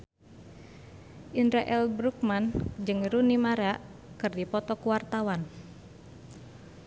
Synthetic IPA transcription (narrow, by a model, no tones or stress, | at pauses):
ʔindɾaʔɛlbɾuk̚mand͡ʒɨŋɾunimaɾaʔ | kɨrdipɔt̪ɔkuwart̪awan